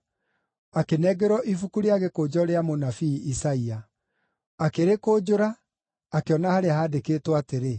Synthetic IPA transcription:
akenɛɡɛɾɔʔifukuɾeaɣekod͡ʑɔɾeamonafiːsaia | akeɾekoːd͡ʑoɾaː | keɔnahaɾeahaːdekeːtwateɾe

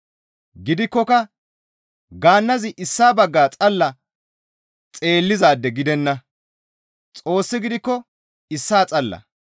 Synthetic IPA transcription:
ɡɪd̪ɪkːɔkɐ | ɡaːnːɐzɪʔɪsːaːbɐɡːaːt͡sʼɐlːɐ | t͡sʼe̞ːlːɪzaːd̪ːɛɡɪd̪ɛnːɐ | t͡sʼo̞ːsːɪɡɪd̪ɪkːɔ | ɪsːaːt͡sʼɐlːɐ̰

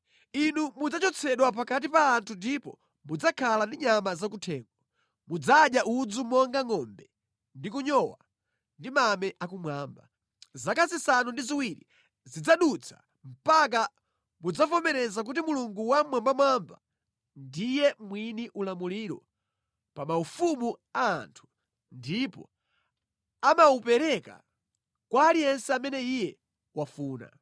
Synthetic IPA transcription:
inumud͡zat͡ʃɔt͡sʰɛɗwap̬akat̬ipaːntʰundipɔ | mud͡zakʰalandiɲamazakutʰɛːŋɡɔ | mud͡zaɗjaʔud͡zumɔŋɡaŋɔmbɛ | ndikuɲɔwa | ndimamɛʔakumwaːmba | zakazisanundiziwiɾḭ | zid͡zaɗut͡sʰḁ̰ | m̩pak̬a | mud͡zavɔmɛɾɛzak̬ut̬imuluŋɡuwamwambamwamba̰ | ndijɛmwiniʔulamuliɾɔ̰ | pamaufumua̰ːntʰu̥ | ndipɔ̰ | amaupɛɾɛka̰ | kwaːlijɛnsɛamɛnɛijɛ | wafuːna̰

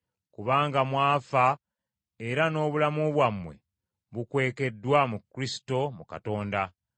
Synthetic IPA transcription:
kuβaːŋɡamwaːfa | e̞ɾano̞ːβulamoβwamːwe̞̰ | βukwe̞ːke̞dːwamukːɾisi̥to̞muka̰to̞ːnda

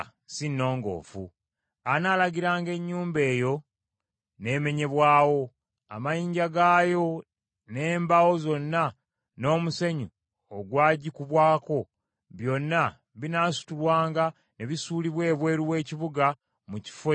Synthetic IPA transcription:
sinːo̞ːŋɡo̞̰ːfṵ | anaːlaɡiɾaːŋɡe̞ɲːuːmbe̞ːjo̞ | ne̞ːme̞ɲe̞βwaːwo̞ | a̰majiːɲɟaɡaːjo̞ | ne̞ːmbawo̞zo̞nːa | no̞ːmuse̞ɲu | oɡwaːɟikuβwaːko̞ | βjo̞nːa | βinaːsu̥tulwaːŋɡa | neβisuːliβwe̞ːβwe̞ːɾuwe̞ːciβuɡa | muci̥fe

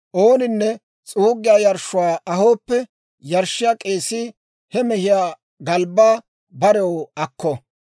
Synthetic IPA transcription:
ʔo̞ːnɪnːɛ | t͡sʼuːɡɪjaːjɐɾʃʊwaːʔɐɦo̞ːpːɛ | jɐɾʃːɪjaːkʼeːsɪ | hɛmɛhɪjaː | ɡɐlbaː | bɐɾɛwɐkːɔ

